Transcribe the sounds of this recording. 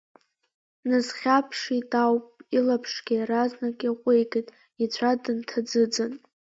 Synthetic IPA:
nɨzχʲapʰʂitʼawpʼilapʰʂɡʲaɾaznakʼaqʷʼejɡʼetʼ | it͡ɕʷʰadɨntʰad͡zɨd͡zɨn

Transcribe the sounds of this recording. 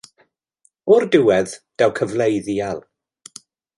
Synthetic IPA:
ɔrdɪwɛðd̥awkʰəvlejðialˠ

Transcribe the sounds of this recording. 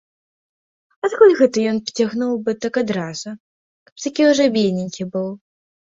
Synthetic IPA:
at̪kulʲɣɛt̪ɐjɔnpt͡sʲaɣnuwbɨt̪akad̪ɾazʊ | kɐ̥p̚t̪akʲiuʐɛbʲenʲɪnʲkʲibɨw

